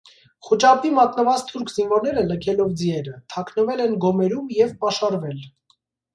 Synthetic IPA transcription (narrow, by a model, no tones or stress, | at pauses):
χut͡ʃɑpimɑt̪nəvɑt͡st̪ʰuɾkʰzinvɔɾnɛɾələkʰɛlɔvd͡ziɛɾət̪ʰɑkʰnəvɛlɛnɡɔmɛɾumjɛvpɑʃɑɾvɛl